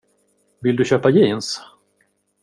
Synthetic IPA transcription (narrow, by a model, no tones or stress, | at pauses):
vɪld̪ɵɕøːpajiːns